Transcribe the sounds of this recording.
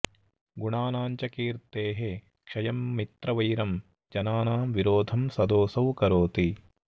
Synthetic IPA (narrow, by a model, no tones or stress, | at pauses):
ɡuɳaːnaːɲt͡ʃɐkiːɾt̪eːɦe | kʂɐjɐmːit̪ɾɐʋɐjɾɐm | d͡ʒɐnaːnaːmʋiɾoːd̪ʱɐmsɐd̪oːsɐwkɐɾoːt̪i